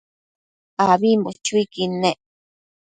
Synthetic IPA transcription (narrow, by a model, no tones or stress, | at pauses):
aβimbot͡ʃuikinẽ